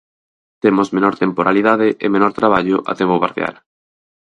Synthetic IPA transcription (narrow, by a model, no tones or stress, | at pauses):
t̪emozmenɔɾt̪empoɾaliðaðɪʔḛmenɔɾt̪ɾaβaʎoʔa̰t̪ɛβoβaɾðj̰a̰l